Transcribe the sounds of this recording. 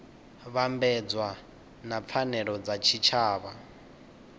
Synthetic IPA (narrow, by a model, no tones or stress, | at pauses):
βambɛd͡zwa | nap̪fʰanɛɺɔd͡zat͡ʃʰit͡ʃʰaːβa